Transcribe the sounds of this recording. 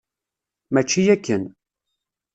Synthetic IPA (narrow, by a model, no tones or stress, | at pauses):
mæt͡ʃːijækːən